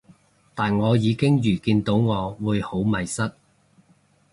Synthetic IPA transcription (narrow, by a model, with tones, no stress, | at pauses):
t̪aː˨nŋɔː˨˧jiː˨˧kɪ˥ŋjyː˨˩kiː˧nt̪o˨˥wŋɔː˨˧wuː˨˧jho˨˥wmɐ˨jsɐ˥t̚